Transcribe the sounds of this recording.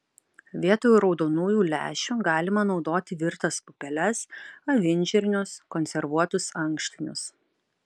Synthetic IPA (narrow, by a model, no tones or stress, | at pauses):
ʋʲiɛt̪oːjuːɾɒʊd̪oːnuːjuːlʲæ̰ːʃʲuɡɑːlʲɪmɐnɒʊd̪oːt̪ʲɪʋʲɪɾt̪ɐspʊpʲɛlʲɛsɐʋʲɪnʲˑd͡ʒʲɛɾʲɪnʲʊskɔnʲsʲɛɾʋuɔt̪ʊsɐŋkʃʲt̪ʲɪnʲʊ̰s